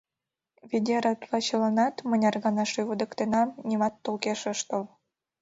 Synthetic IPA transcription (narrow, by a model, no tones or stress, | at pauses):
βid̪ʲeɾɑt̪lɑt͡ɕələnɑt̪mənʲɑrɣɑnɑʃyβud̪ə̆kt̪enɑmnʲimɑt̪ːolkeʃəʃt̪ol